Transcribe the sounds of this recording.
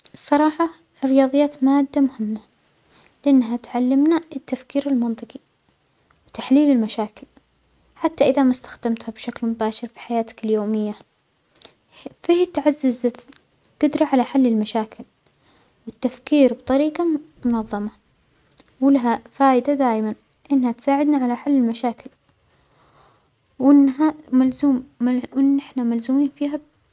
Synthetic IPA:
ɨsˤːɑɾˤɑːħɑ | rːɪjɑːðˤɨjːaːt̪maːd̪ːamʊhɪmːa | lɪʔɪnːɦat̪ʕalːɪmnaɪt̪ːafkiːɾɪlmɑnt̪ˤɨqi | wt̪aħliːlɪlmaʃaːkɪl | ħat̪ːaʔɪðamast̪ḁxd̪amt̪habʃaklmʊbaːʃɪɾfi̥ħajaːt̪ɪ̥kɪljoːmɪjːa | faht̪ʕazːɪza | ɡʊd̪ɾˤɑʕalaħalːɪlmaʃaːkɪl | wɪt̪ːafkiːɾbt̪ˤɑɾiːqɑmʊnɑðˤːɑmɑ | wɪlaɦafaːʔɪd̪ad̪aːjman | ʔɪnːhat̪saːʕɪd̪naʕalaħalːɪlmaʃaːkɪl | wɪnːɦamalzuːmʔɪnːʔɪħnamalzuːmiːnfiːɦa

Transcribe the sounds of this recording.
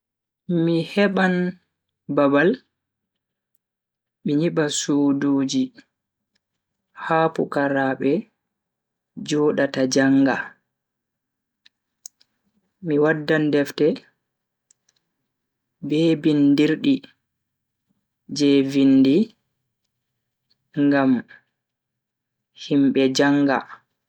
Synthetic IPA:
mihɛɓan | babal | miɲiɓasuːdoːd͡ʒi | haːpṵkaɾaːɓɛ | d͡ʒɔɗatad͡ʒaŋɡa̰ | miwadːandɛftɛ | bɛːbindiɾɗi | d͡ʒɛvindi | ŋɡam | himɓɛd͡ʒaŋɡa̰

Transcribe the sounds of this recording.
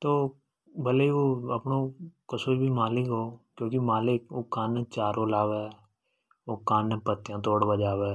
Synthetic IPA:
t̪oː | bəleiʋoːəpnoːkəsoːɾbʱimaːlɪkɦoːkjõːkimaːlɪk̚oːkaːnt͡ʃaːɾoːlaːʋe | oːkaːnpət̪ːjãːt̪oːɽbad͡ʒaːʋeː

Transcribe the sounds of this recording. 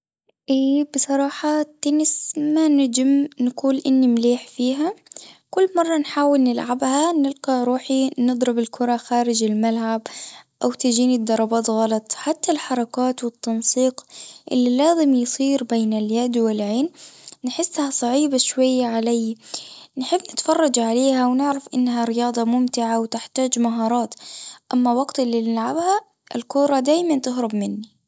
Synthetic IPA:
ʔeːbɨsˤɑɾˤɑːħɑt̪ːanɪsmanad͡ʒɪmnakuːlʔɪnːimleːħfiːɦakʊlːmɑrˤːɑnħaːwɪlnɪlʕabhanɪlqɑɾˤuːħinɨd̪ˤɾɪbɪlkʰʊɾˤɑxaːɾɪd͡ʒɪlmalʕabʔawt̪ad͡ʒiːnid̪ːɑɾˤɑbɑːt̪ɣɑlɑt̪ˤħat̪ːalħɑɾˤɑkaːt̪wɪt̪ːɑnsˤiːqʔɪ̰lːilaːzɪmjsˤiːɾbeːnɪljad̪wɪlʕeːnnħɪsːhasˤɑʕiːbaʃwajːaʕalajːnħɪbːnɪt̪fɑrˤːɑd͡ʒʕaleːhawnɪʕɾafʔɪnːɦaɾɪjɑːd̪ˤɑmʊmt̪ɪʕawt̪ɪħt̪aːd͡ʒmaɦɑːɾˤɑːt̪ʔamːawaɡt̪ɪlːinɪlʕabha | ʔɪ̰lkʊɾˤɑd̪aːjmant̪ɪɦɾˤɪbmɪnːi

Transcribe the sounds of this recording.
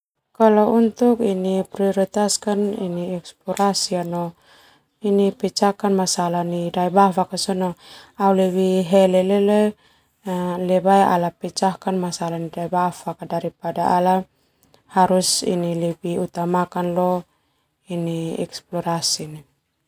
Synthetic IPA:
kalɔunt̪ukinipɾiɔɾit̪askanḭniɛksplɔɾasianɔ | inipɛt͡ʃakanmasalanidaibafakasɔnɔaulɛβiɦɛlɛlɛlɛ | alɛbaɛʔa̰lapɛt͡ʃahkanmasalanidaibafakadaɾipadaala | haɾusḭnilɛbiut̪amakanlɔ | iniɛ̰ksplɔɾasini

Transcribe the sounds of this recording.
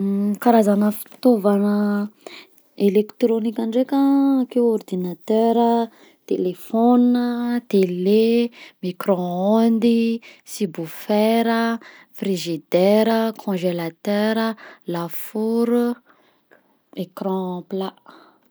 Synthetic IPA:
kaɾazanəfi̥t̪ovanə | elekt̪ɾonikʲaɳɖ͡ʐekakeword̪inat̪œɾə | t̪elefɔnət̪elemikɾɔ̃ɔnd̪isibufɛɾə | friʒid̪ɛɾəkʰɔ̃ʒelat̪ɛɾəlafuɾu | ekɾɑ̃plaʔ

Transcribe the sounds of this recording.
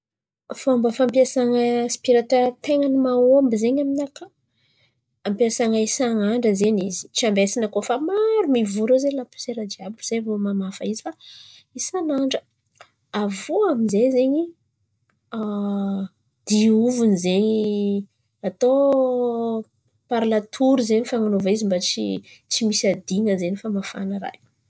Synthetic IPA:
fambəfampiasaŋəspiɾaʈ͡ʂət̪eŋənimaombizeɲaminaka | ampiasaŋaisaŋaɳɖ͡ʐəzeɲizi̥t͡ʃiambesinəkofamaɾumivuɾozelapu̥seɾad͡ʒiabuz̥evomamafəizifa | isanaɳɖ͡ʐə | avoaminzezeɲi | a | d̪̥iuvunizeɲi | at̪o | paɾlat̪ʰuɾuzeɲifaŋanovaizimbat͡si | t͡simisad̪iŋəzeɲifamafa̰nəɾa̰j

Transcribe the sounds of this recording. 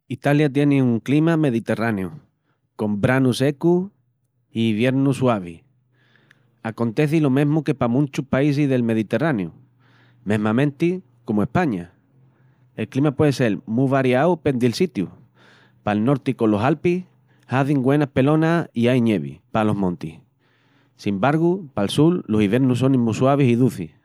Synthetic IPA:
it̪aljat̪̬je̞neuŋklimame̞ðit̪e̞raneu | kõ̞mbɾanuse̞ku | iβje̞ɾnuswaβ̞i | ako̞nt̪e̞θilo̞mẽ̞ɦmuke̞pamũnt͡ʃuhpais̬iɦðe̞lme̞ðit̪e̞ranju | mẽ̞ɦmãmẽ̞nt̪i | ko̞moe̞hpaɲa | e̞lklimapwe̞ðese̞lmuβaɾjawpe̞nd̪ilsit̪ju | palno̞ɾt̪iko̞lo̞ɦalpih | haðiŋɡwe̞nahpe̞lõ̞naiajɲeβḭpalo̞ɦmõ̞nt̪ih | simbaɾɣupalsulːo̞siβje̞ɾnus̬onĩmuswaβ̞isiðuθi

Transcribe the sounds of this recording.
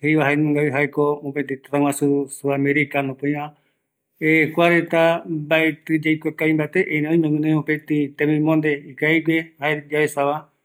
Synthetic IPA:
hejʋaɦaenmõŋɡaβiɦaekoopet̪et̪ḁt̪awãsusuameɾikanõpoj̃ʋã | ekʷaɾet̪abaet̪ɨd͡ʒajkʷakaĩmbaet̪eʔeɾẽõĩmẽɡũnẽopet̪it̪ẽmĩmõnd̪eikaiɡehaed͡ʒaesaβa

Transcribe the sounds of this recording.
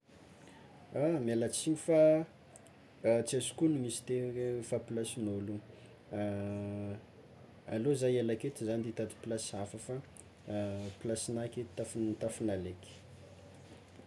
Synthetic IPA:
amalat͡siɲifa | t͡siazu̥kunimisi̥t̪efaplasinolu | alozajelaket̪izand̪it̪at̪i̥plasafəfa | plasinaket̪afnt̪afinaleki̥

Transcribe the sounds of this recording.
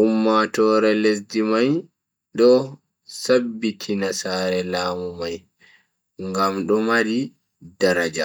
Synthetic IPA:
ʔumːatɔːɾɛlesdimaj | ɗɔ | sabːitʰinasaːɾɛlaːmumaj | ŋɡamɗɔmaɾi | daɾad͡ʒa

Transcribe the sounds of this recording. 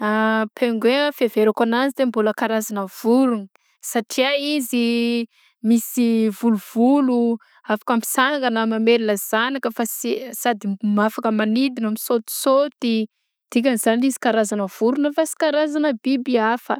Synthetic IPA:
apʰeŋɡwefeveɾakanazid̪embuləkaɾazanəv̥uɾunə | saʈ͡ʂiaizi | misivuluv̥ulu | afḁkəmpi̥saŋŋɡənəmameliləz̥anakəfasisad̪imafakəmanid̪inamisot̪i̥sot̪i | d̪̥ik̬ʲaniz̥anilizi̥kaɾazanəv̥uɾunəfasi̥kaɾazanəbibiafə̰

